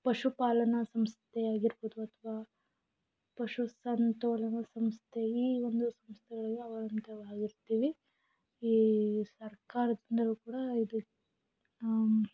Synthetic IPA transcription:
pɐʂupaːlɐnɐsɐmst̪ʰɛaːɡiɾboːd̪uɐt̪ʰɐʋaː | pɐʂusɐnt̪oːlɐnɐsɐmst̪ʰeiːond̪usɐmst̪ʰɛɡɐɭɐlːeɐʋɐɾɐnt̪ɐʋaːɡiɾt̪iːʋi | iːsɐɾkaːɾɐd̪ind̪ɐluːkuːɽɐid̪u

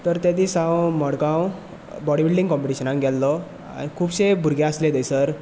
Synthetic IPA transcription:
t̪əɾt̪ed̪iːsãwməɽɡãw | bɔɽibilɖĩŋɡkɔmpiʈiɕənãŋɡʱɛlːɔ | a̰ñikʰuːbɕebʱuɾɡjẽəsled̪əjsəɾ

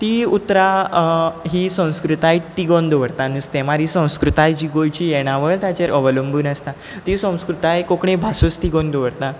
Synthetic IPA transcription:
t̪iut̪ɾa | ɦiːsə̃w̃skɾut̪ajt̪iɡond̪oʋəɾt̪ãnust̪ẽmaɾisə̃w̃skɾut̪ajd͡ʑiɡojt͡ɕiːjeɽ̃aʋəɭt̪at͡ɕeɾʔəʋələmbuːnəst̪a | t̪isə̃w̃skɾut̪ajkokɳẽbʱasust̪iɡõnd̪oʋəɾt̪ã

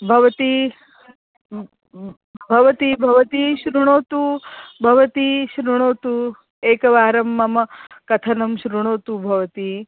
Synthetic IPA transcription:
bʱɐʋɐt̪i | bʱɐʋɐt̪iːbʱɐʋɐt̪iːʃɾuɳoːt̪ubʱɐʋɐt̪iʃɾuɳ̃oːt̪u | eːkɐʋaːɾɐmːɐmɐkɐt̪ʰɐnɐmʃɾuɳ̃oːt̪ubʱɐʋɐt̪i

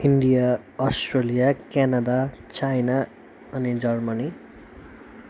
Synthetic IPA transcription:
inɖija | ʌsʈrelijakanad̪at͡sajna | ʌnid͡zʌrmani

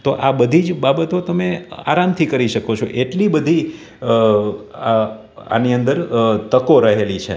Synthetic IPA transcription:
t̪oʔabəd̪ʱid͡ʒbabət̪ot̪əmea̰ɾamt̪ʰikəɾiʃəkot͡ʃʰo̰ʔeʈlibəd̪ʱi | a̰niənd̪əɾt̪əkoɾəɦelit͡ʃʰḛ

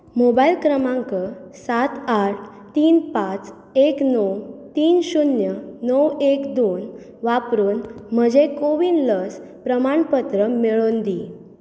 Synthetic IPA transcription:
mobailkɾəmãŋkəsat̪aʈ̚ʰ | t̪iːnpat͡s | eknɔwt̪iːnɕunjənəwekd̪on | ʋapɾoːnm̤əd͡ʑekoʋiːnləs | pɾəmaɳpət̪ɾəmeɭond̪i

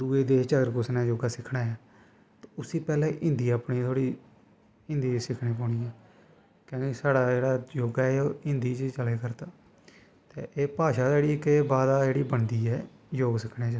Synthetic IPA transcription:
d̪uːeːd̪eːt͡ʃəɡəɾkʊsnaːd͡ʒoːɡaːsɪkʰɽaːaː | t̪oʊsiːpɛːlɛ̃ːʔɪ̃nd̪iːəːpɽiːt̪ʰoːɽiː | ɪ̃nd̪iːsɪkʰɽẽːp̬ɔːɳiːɛː | kjõːkɪsaːɽaːd͡ʒeːɽaːd͡ʒoːɡaːeːoːɪ̃nd̪iːt͡ʃt͡ʃəleːkəɾt̪aː | t̪ḛːʔeːpaːʃaːdeːɽiːkebaːd̪aːd͡ʒeːɽiːbəɳd̪iːɛː | joːɡsɪkʰneːt͡ʃ

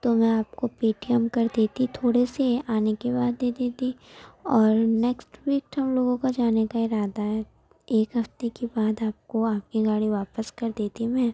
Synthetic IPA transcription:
t̪omɛ̃aːp̚kopeːʈijəmkɐɾd̪eːt̪it̪ʰoːɽeseaːnekebaːd̪ːeːd̪eːt̪iɔːɾnɛːksʈwiːk̚ʈɦɐmloːɡõkad͡ʒaːnekaɪɾaːd̪aɦɛː | eːkɦɐft̪ekibaːd̪aːp̚koaːp̚kiɡaːɽiʋaːpəskɐɾd̪eːt̪imɛ̃ː

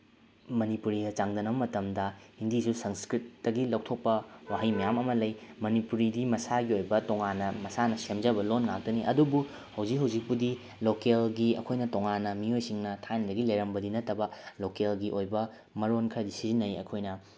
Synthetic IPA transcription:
mɐnipuɾiɡɐt͡ʃaŋdɐnɐbɐmɐtɐmdɐhindisusɐŋskɾit̚ːɐɡilɐwk̚tʰok̚pɐwaɦɐjmɐjamɐmɐlɐjmɐnipuɾidimɐsaɡiojbɐtoŋanːɐmɐsanɐsemd͡ʒɐbɐlonŋak̚tɐniʔɐ̰dubu | hɐwzik̚ɦɐwzik̚pudi | lokelɡiɐ̰kʰojnɐtoŋanːɐmiojsiŋnɐtʰandɐɡilɐjɾɐmbɐdinɐtːɐbɐlokelɡiʔojbɐ | mɐɾonkʰɐɾɐdisizinːɐjɐ̰kʰojnɐ

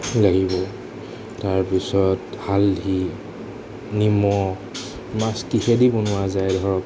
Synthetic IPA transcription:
laɡibɔ | taɹpisɔthaldʱi | nimɔ | maskixedibonʊazajdʱɔɹɔp

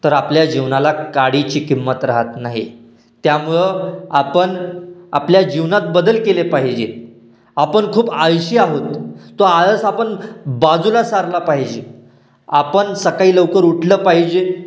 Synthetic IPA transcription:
t̪əɾapljad͡ʑiʋnalakaɽit͡ɕiːkimːət̪ɾaɦət̪naɦḭ | t̪jamuɭəapəɳapljad͡ʑiʋnat̪̚bəd̪əlkelepaɦid͡ʑe | apəɳkʰuːbajɕiaɦot̪ːoaəsapəɳbad͡zulasaɾlapaɦid͡ʑe | apəɳsəkaiːləʋkəɾuʈʰləːpaɦid͡ʑe

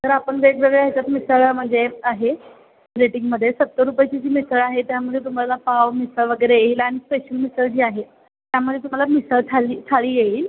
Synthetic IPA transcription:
t̪əɾapəɳʋekʋəɡəɭeajt͡ɕat̪misəɭm̤əɳd͡zeaɦe | bɾeʈiŋɡməd̪ʱːjesət̪ːəɾupajt͡ɕid͡ʑiːmisəɭaɦet̪jaməd̪ʱːjet̪um̤alapaʋmisəɭʋəɡəjɾejeilaɽ̃ispeɕəlmisəɭd͡ʑiːaɦe | t̪jaməd̪ʱːet̪um̤alamisəɭtʰaliːt̪ʰaɭiːjeiːl

